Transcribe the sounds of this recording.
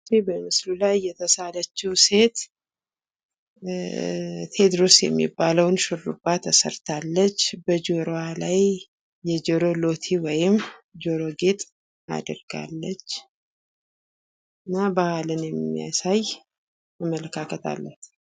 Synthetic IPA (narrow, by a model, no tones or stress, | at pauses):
ibəmɨslulajːɛt̪ʰəsalət͡ʃːiwse̞t̪ | t̪ʰe̞d̪ɾosjɛ̰mːḭbːaləwnʃɨrːṵbːat̪ʰːəsə̰ɾt̪ʰalːət͡ʃːbəd͡ʒoɾoalaj | jɛd͡ʒoɾo̞lo̞t̪ʰiwɔjɪmd͡ʒoɾo̞ɡet̪ʼ | a̰d̪əɾɡa̰lːət͡ʃː | ɨnːabahalɨnjɛmːija̰saj | mamələkʰakʰət̪ʰa̰lːət̪